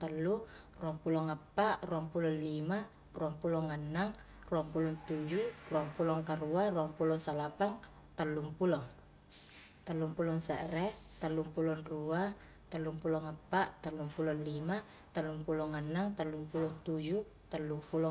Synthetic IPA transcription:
t̪əlːu | ruaŋpulɔŋapːaʔruaŋpulɔnlima | ruaŋpulɔŋanːaŋ | ruampulɔnt̪ud͡ʒuruaŋpulɔŋkaɾuaruaŋpulɔŋsalapaŋ | t̪əlːumpulɔŋ | t̪əlːumpulɔŋsəʔɾɛt̪əlːumpulɔnrua | t̪əlːumpulɔŋapːaʔt̪əlːumpulɔnlima | t̪əlːumpulɔŋanːaŋt̪əlːumpulɔnt̪ud͡ʒu | t̪əlːupulɔ

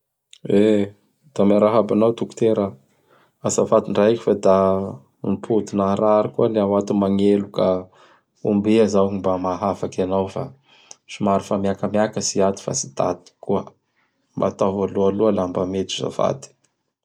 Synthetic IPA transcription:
e | d̪̥amaɾaɦabanawt̪uku̥t̪eɾa | asafat̪iɳɖ͡ʐaikʲi̥fad̪a | npʰud̪inaɾaɾikuəleawat̪umaŋeluka | umbeazaimbamaɦafakanawfa̰ | simaɾifamiakamjakəsiat̪i̥fa̰si̥t̪a̰t̪i̥kuə | mbat̪avalualuəlambamet̪i̥za̰fa̰t̪i̥

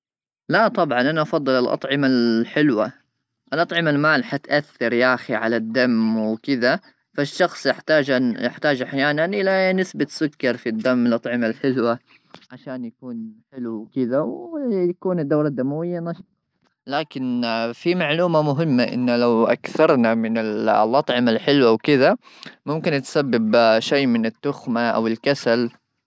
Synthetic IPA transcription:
laʔt̪ˤɑbʕɑnʔanaʔɑfɑðˤːɨlalʔɑ̰t̪ˤʕɪmalħɪlwa | ʔlʔɑt̪ˤʕɪmalmaːlħat̪ʔaθːɑɾjaʔxiʕalad̪ːamwɪkɪða | faʃːɑxsˤjɪħt̪aːd͡ʒjɪħt̪aːd͡ʒʔaħjaːnanʔɪlanɪsbat̪sʊkːɑɾˤfid̪ːamːɪlʔɑt̪ˤʕɪmalħɪlwa | ʕaʃaːnjakuːnħɪluwkɪðawjakuːnɪd̪ːawɾad̪ːamawɪjːanaʃˤ | laːkɪnfimaʕluːmamʊɦɪmːaʔɪ̰nːlawʔa̰kθɑɾˤnamɪnɪllʔɑt̪ˤʕɪmalħɪlwawkɪða | mʊmkɪnt̪sabːɪbʃeːmɪnɪt̪ːʊxmaʔa̰wɪlkasal

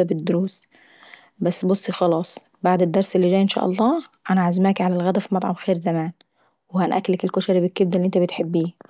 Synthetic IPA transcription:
æbed̪ːoɾuːs | bæsːbosˤːixɑlɑːsˤ | baʕd̪ed̪ːɑɾˤselːid͡ʒæːjʔenʃæ̰ːʔɑ̰lˤːɑːʔænæʕazmæːkʕalælɣæd̪æfimɑt̪ˤʕɑbxeːɾzæmæːn | wehænʔækːlːækelkoʃæɾibekːebd̪ælːiʔent̪æbet̪ħebːiː

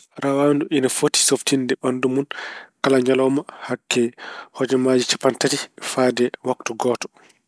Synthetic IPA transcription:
ɾawanduʔinafoti̥softindɛɓandumunkalaɲalɔmahakːɛhɔd͡ʒɛmad͡ʒit͡ʃḁpantatifadɛwaktuɡɔːtɔ̥

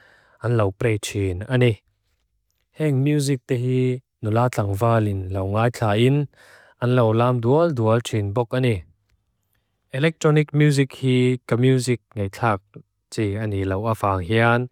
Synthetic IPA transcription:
ʔɐnlɐwpɾɛjt͡ʃʰinani | hɛŋmjuzik̚t̪ɛɦiː | nulaːt͡ɬʰaŋvaːlinlɐwŋaːjt͡ɬʰaːʔin | ʔɐnlowlaːmduəlduəlt͡ʃʰinbɔk̚ʔani | ʔɛlɛk̚t̪ɾɔnik̚mjuzik̚hiːkamjuzik̚ŋejt͡ɬʰaːk̚ | t͡sianilɐwʔafaːŋɦian

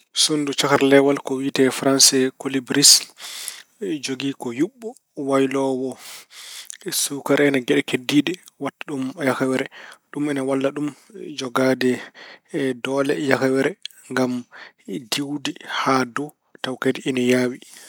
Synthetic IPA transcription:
sondut͡ʃakaɾlɛwalkɔwitɛfɾansɛkolibɾis | d͡ʒoɡikɔjuɓːɔ | wajlɔwɔ | sukaɾɛnaɡɛɗɛkedːiːɗɛwatːaɗumjakawɛɾɛɗumɛnawalːaɗumd͡ʒɔɡadɛ | dɔlɛ̰jakawɛɾɛ | ŋɡam | diwdihadu | tawkadiʔɛnajaːwi

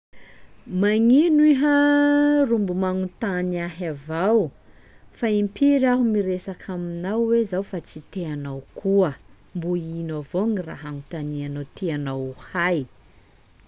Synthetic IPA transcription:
maŋinuiɦa | rumbumaŋut̪anaɦavaw | faimpiɾaɦumiɾesakʰaminawwezawfat͡sit̪eanawkʰuə | mbuinavoŋira̰ɦaŋut̪anianot̪ʰeanawhaj

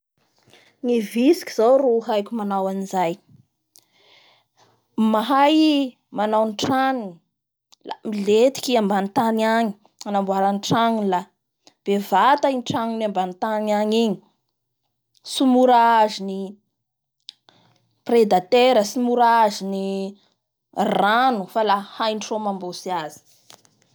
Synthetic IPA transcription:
ŋivisi̥kʲiz̥awɾuɦajkʲumanawanizaj | maɦaj | manawnʈ͡ʂaŋini | la̰milet̪i̥kʲiambanit̪anaɲi̥ | anambuaɾanʈ͡ʂaŋila | b̥evat̪ainʈ͡ʂaŋinambanit̪anaɲiɲi̥ | sumuɾaazini | pred̪at̪eɾəsimuɾaazini | ranufalahajnʈ͡ʂomambosiazi̥

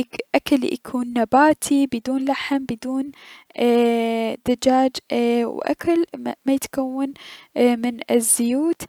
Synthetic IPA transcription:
ʔakalja̰kʰuːnːabaːt̪ʰibɪd̪uːnlaħɪmbɪd̪uːn | d̪̥ad͡ʒaːd͡ʒwʔa̰kalmajɪt̪kawːanmɪnɪzːʊjuːt̪

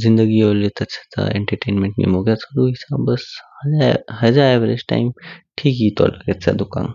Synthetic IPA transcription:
zind̪əɡiolet̪ət͡ɕḁt̪a̰ḛɳʈəɾʈeːnmẽɳʈnḭmoɡjat͡səɾuɦisabəshəaɦəd͡zaeʋəɾed͡ʑʈa̰imʈʰiːkjit̪ɔ̰ləɡet̪t͡sa̰d̪ukã̰n

